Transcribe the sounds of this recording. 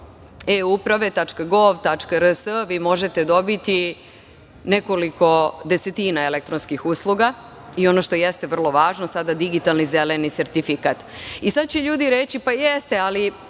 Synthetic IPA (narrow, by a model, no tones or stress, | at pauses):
eupɾaʋe̞t̪at͡ʂkaɡo̞ʋt̪at͡ʂkaɾəsəʋiːmo̞ʒet̪e̞d̪o̞bit̪i | ne̞ko̞liko̞d̪ese̞t̪iːnaelek̚t̪ɾo̞nskixuːslˠuɡa | io̞noʃt̪o̞jest̪e̞ʋər̩lˠo̞ʋaːʒno̞sad̪ad̪iɡit̪alnize̞lenise̞ɾt̪ifikat̪isad̪̚t͡ɕe̞ʎuːd̪iɾet͡ɕipajest̪e̞ali